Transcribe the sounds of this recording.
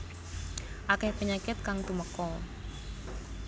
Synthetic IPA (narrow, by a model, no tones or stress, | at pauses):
ʔakɛhpəɲakɪt̪̚kaŋt̪uməkɔ